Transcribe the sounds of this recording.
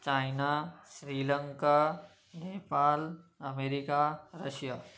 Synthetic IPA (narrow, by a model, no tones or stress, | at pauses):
t͡ɕaːjɪnasɾiːlə̃ŋka | neːpaːlɐmeːɾikaɾɐʃijaː